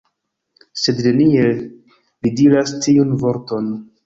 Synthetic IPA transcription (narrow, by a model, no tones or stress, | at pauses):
se̞dne̞nie | lidiɾastiunvo̞ɾto̞n